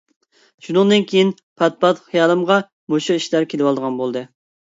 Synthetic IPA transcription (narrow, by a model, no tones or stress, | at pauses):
ʃunɨŋd̪ɨnkʲʰejin | pʰɛt̪̚pɑt̪χijɑːlˠɨmʁɑ | moʃuiʃlæɾkʲʰelɪwɑlˠd̪əʁɑnbolˠd̪ɨ